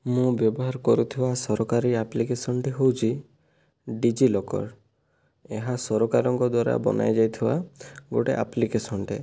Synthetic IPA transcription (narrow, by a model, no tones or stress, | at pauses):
mũbjɔbɔɦaɾkɔɾut̪ʰibasɔɾɔkaɾiaplikesɔnʈiɦowt͡ʃʰi | ɖid͡ʒilɔkɔ̰ɾ | eɦasɔɾɔkaɾɔŋkɔd̪waɾa̰bɔ̰na̰jd͡ʒajt̪ʰiba̰ɡoʈḛʔa̰plikesɔnʈe